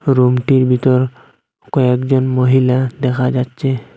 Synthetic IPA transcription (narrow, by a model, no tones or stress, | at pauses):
ɹumtiɹbʱitɔɹ | kɔɛkzɔnmoɦiladɛkʰazatsɛ